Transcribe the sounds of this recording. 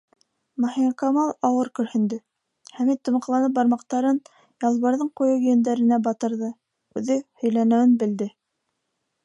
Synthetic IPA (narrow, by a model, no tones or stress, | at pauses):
mɑhikɑmɑlˠɑwɤɾkɵ̆ɾhɘ̆nd̪ɘ | χæmit̪ːŏmɑ̆qlˠɑnɤp̚bɑɾmɑqt̪ɑɾɤn | jɑlˠβɑɾðɤɴqujɤwɵ̆jɵ̆nd̪æɾɘ̆næbɑt̪ɤ̆ɾðɤ | ʉðɘhɵ̆jlænɘ̆wɘnbɘ̆ld̪ɘ